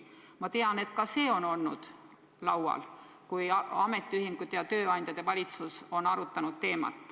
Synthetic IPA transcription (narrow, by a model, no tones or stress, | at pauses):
mɑt̪e̞ɑne̞t̪kɑse̞ːo̞no̞lnṵd̪̥ | lɑwɑ̰l | kujɑme̞t̪ːˑiyɦiŋɡ̥ut̪ːˑejɑt̪ø̞ːɑnʲd̪jɑd̪̥e̞vɑlʲit̪suso̞nɑɾut̪ːˑɑnud̪̥̚t̪e̞ːmɑ̰t̪ːˑ